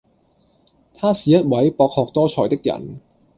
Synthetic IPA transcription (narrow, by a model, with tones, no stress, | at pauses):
t̪ʰaː˥siː˨˩jɐ˥t̚wɐ˨˥jpɔː˧k̚hɔː˧k̚t̪ɔː˥t͡ʃʰɔː˨˩jt̪ɪ˥k̚jɐ̰˨˩n